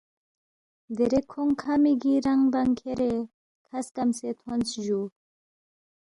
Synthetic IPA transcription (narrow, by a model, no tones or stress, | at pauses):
d̪eɾekʰoŋkʰamiɡiɾaŋbaŋkʰeɾe | kʰɐskamset̪ʰont͡sʑu